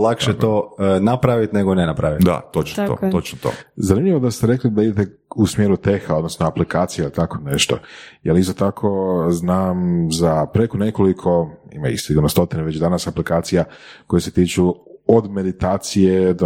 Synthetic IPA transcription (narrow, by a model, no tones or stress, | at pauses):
lakʃet̪oːnapɾaʋit̪neɡonenapɾaʋit̪d̪a̰t̪ot͡ʃnto̰tt̪ot͡ʃnot̪o̰zanimʎʲiʋo̞d̪ast̪eɾe̞klid̪aid̪et̪e | usmjeːɾut̪exaod̪no̞snoaplikaːt̪sijeilit̪ako̞ne̞ʃt̪o̞̰jalist̪ot̪akʰo̞znaːmzapɾe̞kone̞ko̞likʰo̞ḭma̰ḭsiɡuɾnost̪o̞t̪ineʋe̞t͡ɕd̪anasaplikaːt̪sijako̞jeset̪iːt͡ʃuod̪me̞d̪it̪aːt̪sije̞d̪o